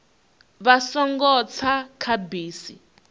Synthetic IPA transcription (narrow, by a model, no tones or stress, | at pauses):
βasɔŋɡɔt͡sʰakʰabiːsi